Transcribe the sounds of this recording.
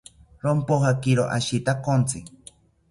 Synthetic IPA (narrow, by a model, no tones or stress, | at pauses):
ɾompoɦakiɾo̰ʔa̰ʃit̪akont͡sɨ